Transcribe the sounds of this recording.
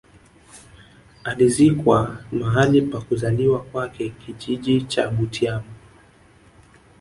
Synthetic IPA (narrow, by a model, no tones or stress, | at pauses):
alizikwamaɦalipakuzaliwakwakɛkiʄiʄit͡ʃa̰ɓutʰiama